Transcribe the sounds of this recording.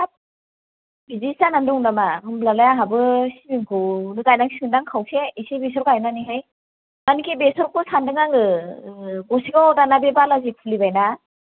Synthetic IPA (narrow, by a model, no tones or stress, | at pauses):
a | bizisanandɔŋdamahɯmblalajaɦabɯsibiŋkʰɯnɯkajnaŋsiŋɯndaŋkʰawsʰeisibesɔɾkajnaniɦaj | anikʰibesɔɾkʰusandɯŋaŋɯ | ɡɔsiɡawdanabebalazipʰɯlibajna